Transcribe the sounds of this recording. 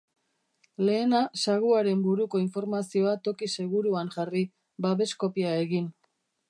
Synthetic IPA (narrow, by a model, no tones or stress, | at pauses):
le̞ːnasaɣuaɾe̞mbuɾuko̞iɱfo̞ɾmasio̞at̪o̞kise̞ɣ̞uɾuanʝari | baβe̞sko̞piae̞ɣin